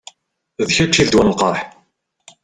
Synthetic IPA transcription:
ðçæt͡ʃːiðd̪wænlqɑɾˤħ

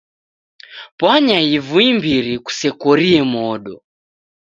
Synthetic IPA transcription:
pwaɲaivuimbiɾiku̥sɛkɔɾiɛmɔɗɔ

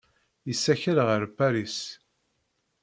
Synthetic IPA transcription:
jəsːæçəɾʁəɾpæɾis

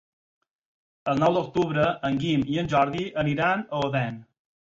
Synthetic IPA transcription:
əlˠnɔwd̪ok̚t̪uβɾəəŋɡimiənʲʒɔɾðiʔəniɾanəoðɛn

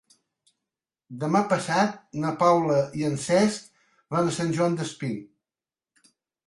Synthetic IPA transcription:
d̪əmapəsat̪̚nəpawləiənsɛsk | βanəsanʲʒwand̪əspi

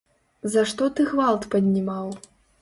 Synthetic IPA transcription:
zaʂt̪ɔt̪ɨɣvalˠt̪pɐd̪ʲnʲimaw

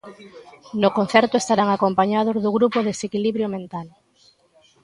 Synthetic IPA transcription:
nokon̟θɛɾt̪oest̪aɾaŋakompaɲað̞ozðoɣɾupoðesekiliβɾjomẽnt̪al

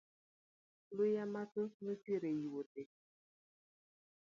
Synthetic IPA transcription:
lʊjamatonutiɾejiwote

